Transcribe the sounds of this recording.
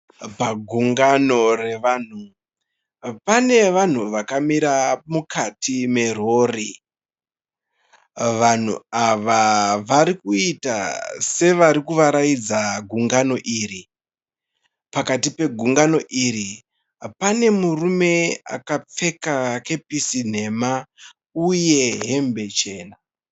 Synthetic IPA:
paɡʱuŋɡano̞re̞ʋaːn̤u | pane̞ʋan̤uʋakamiɾamukʰatime̞ro̞ːri | ʋan̤ṵaʋaʋaɾikuita̰se̞ʋaɾikuʋaɾajid͡zaɡʱuŋɡano̞ʔiːri | pakatipe̞ɡʱuŋɡano̞ʔiɾi | pane̞murume̞a̰kap͡fe̞kake̞pisin̤e̞ma | uje̞ɦe̞mbe̞t͡ʃe̞ːna

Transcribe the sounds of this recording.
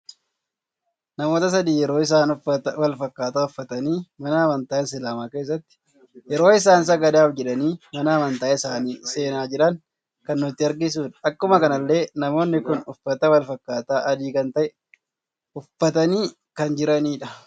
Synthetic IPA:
nɐmo̞ːt̪ɐs̬ɐd̪iːjɛɾo̞ːɪs̬aːnwɐlfɐkːaːt̪aːʊfːɐt̪ɐniːmɐnaːmɐnt̪ɐːʔɛnsɪlaːmaːke̞ːs̬ːɐt̪ːɪ̥ | jɛɾo̞ːɪs̬aːns̬ɐɡɐd̪aːfd͡ʒɛᶑɐniːmɐnaːmɐnt̪ɐʔɐɪsaːniːse̞ːnaːd͡ʒɪᶑɐŋ | kɐnːʊɪt̪ːɪɐɾɡɪs̬uːᶑɐ̥ɐkːʊmɐkɐnɐlːe̞ːnɐmo̞ːnːɪkʊnʊfːɐt̪ɐwɐlfɐkːaːt̪aːʔɐd̪iːkɐnt̪ɐʔɛ | ʊfːɐt̪ɐniː | kɐnd͡ʒɪɾɐniːᶑɐ

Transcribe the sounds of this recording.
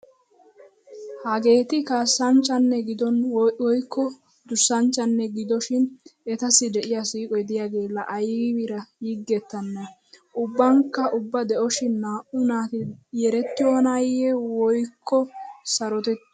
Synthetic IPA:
hɐɡe̞ːt̪ɪkaːsːɐnt͡ʃʼːɐnːɛɡɪd̪ɔnʔɔjkʰːɔ | d̪ʊsːɐnt͡ʃːɐnːɛɡɪd̪ɔʃɪnɛt̪ɐsːɪd̪ɛʔɪjasiːkʼɔjd̪ɪjaɡe̞ːlːɐʔɐjwɪɾɐjiɡːɛt̪ːɐnːɐ | ʔʊbːɐŋkːɐʔʊbːɐd̪ɛʔɔʃɪnːaːʔʊnaːt̪ɪjɛɾɛt̪ːɪjoːnɐjɛwɔjkʰːɔsɐɾɔt̪ɛt̪ː

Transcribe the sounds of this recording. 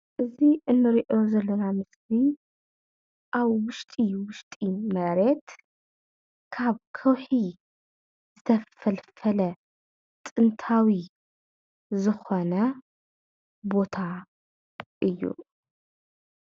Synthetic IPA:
ʔɨziʔɨnːɨɾiʔo̞zɐlːɐnamɨsbi | ʔaβwʊʃt̪ʼiwʊʃt̪ʼimɐɾe̞t̪ | kʰaβkʰɐwħi | zɨt̪ʰɐfɐlfɐlɐ | t̪ʼɨnt̪ʰawi | zɨxonɐ | bo̞t̪ʰa | ʔɨjːṵ

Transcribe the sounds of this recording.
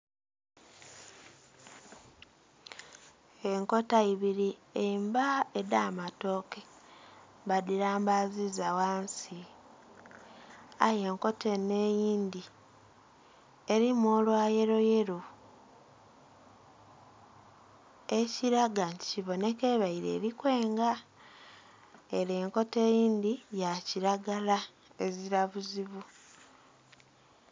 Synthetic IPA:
e̞ŋko̞taiβiɾiembaedaːmato̞ke | βadiɾaːmbazizawaːnsi | aje̞ŋko̞te̞nːe̞jiːndi | e̞ɾimoːlwaːje̞ɾo̞je̞ɾo | eciɾaɡanti̥ciβo̞ne̞ke̞ːβaiɾe̞̰ːɾikwe̞ːŋɡa | e̞ɾeːŋko̞te̞ːjiːnd̪ijaciɾaɡala | e̞ziɾaβuziβu

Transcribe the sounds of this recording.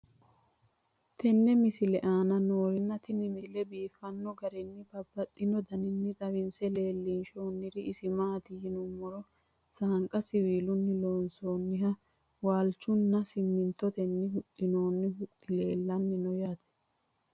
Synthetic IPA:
t̪ɛnːɛmɪsɪlɛʔaːnɐnoːɾɪnːɐt̪ɪnɪmɪlɛbiːfɐnːɔɡɐɾɛnːɪbɐbːɐt̪ʼːɪnɔd̪ɐnɪnːɪt̪ʼɐwɪnsɛle̞ːlːinʃoːnːɪd̪ɪʔɪsɪmaːt̪ɪjɪnʊmːɔɾɔ | saːŋkʼɐsɪwiːlʊnːɪlo̞ːnso̞ːnːɪɦɐ | waːlt͡ʃːʊnːɐsɪmːɪnt̪ːɔt̪ɛnːɪhʊt̪ʼːɪno̞ːnːɪhʊt̪ʼːɪleːlːɐnːɪnɔjaːt̪ɛ̥

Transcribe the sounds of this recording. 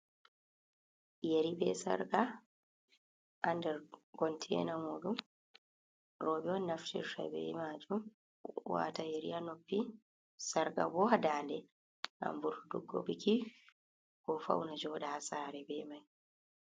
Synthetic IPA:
jeɾibɛsa̰ɾɡa | ʔandɛɾɡɔntʰɛ̰ːnamuɗum | ɾɔːbɛɔnːaftḭɾta̰bɛ̰maːd͡ʒum | wa̰ːtajeɾḭanopːi | saɾɡa̰bɔhadaːndɛ | na̰mbuɾuduɡːo̰biki | kɔfa̰wnad͡ʒɔːɗahasaːɾɛbɛmaj

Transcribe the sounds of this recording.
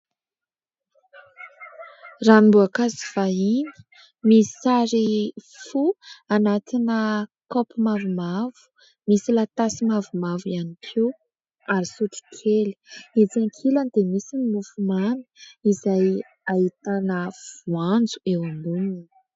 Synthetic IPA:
raːnimbuakaziv̥aini̥ | misi̥saɾifuanat̪inəkopimavumav̥u̥ | misilat̪asimavumavjanikʰiw | aɾisuʈ͡ʂi̥kʰeli̥id͡zaŋkʰiland̪emisinimufumani̥izaj | ait̪anəv̥uand͡zuewamunin

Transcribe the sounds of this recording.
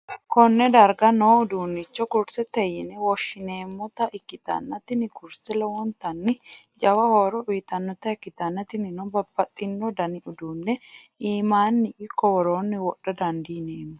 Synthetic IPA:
kɔnːɛd̪ɐɾɡɐnoːʊd̪uːnːɪt͡ʃːɔkʊɾsɛt̪ɛjɪnɛwɔʃːɪneːmːɔt̪ɐʔɪkːɪt̪ɐ̰nːɐt̪ɪnɪkʊɾsɛlɛwɔnt̪ɐnːɪ | d͡ʒɐwɐhoːɾɔʔʊjɪt̪ɐnːɔt̪ɐɛkːɪt̪ɐnːɐt̪ɪnɪnɔbɐbːɐt̪ʼːɪnːɔd̪ɐnɪʊd̪uːnːɛ | iːmaːnːɪʔɪkːɔwɔɾoːnːɪwɔɗɐd̪ɐnd̪iːneːnːɔ

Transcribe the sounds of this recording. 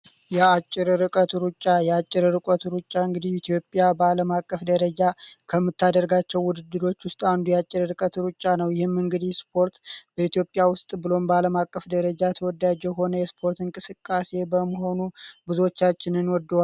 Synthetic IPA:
jɛat͡ʃʼːɪɾɾɨkʼət̪ɾut͡ʃʼːajɛat͡ʃʼːɪɾɾɨkʼət̪uɾut͡ʃʼːaɨŋɡɨd̪ihit̪ʰijo̞pʼːjabəaləmakʼːəfd̪əɾəd͡ʒakʰəmːɨt̪ʰːad̪əɾɡat͡ʃːɛwːʊd̪ɨd̪ːɨɾo̞t͡ʃːwʊst̪ʼand̪ujɛat͡ʃʼːɪɾɾɨkʼət̪ɾut͡ʃʼːanəwjɪhɪmːɨŋɡɨd̪ihspʰo̞ɾt̪bəit̪jo̞pʼːjawʊst̪ʼbɨlo̞mbəaləmakʼːəfd̪əɾəd͡ʒajɛt̪ʰəwɔd̪ad͡ʒɛjɦo̞nəjɛspʰo̞ɾt̪ɨŋkʼɨsɨkʼːase̞bəməɦo̞nubɨzuot͡ʃːat͡ʃːɪnɨnwɔd̪ːwal

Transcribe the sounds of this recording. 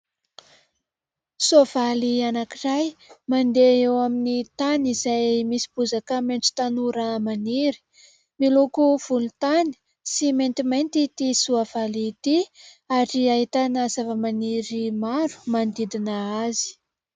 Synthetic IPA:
suav̥alianakirajmand̪eewaminit̪anizajmisi̥b̥uzakameɳʈ͡ʂi̥t̪anuɾamaniɾi̥ | milukuv̥ulut̪ani̥ | siment̪imejnt̪it̪isuavalit̪i | aɾiait̪anaz̥avəmaniɾimaɾu̥mand̪id̪inaazi̥

